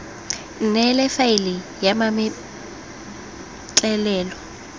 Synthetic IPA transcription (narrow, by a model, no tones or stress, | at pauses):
n̩nɛlɛfaɪlɪ | jamamɪ | t͡ɬʼɛlɛːlɔ